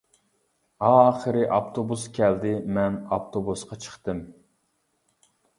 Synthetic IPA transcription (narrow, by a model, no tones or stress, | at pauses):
ɑːχəɾɨʔɑpt̪ʰobuskʲʰɛld̪ɪmɛnɑpt̪ʰobusqɑt͡ʃʰə̥χt̪ɨm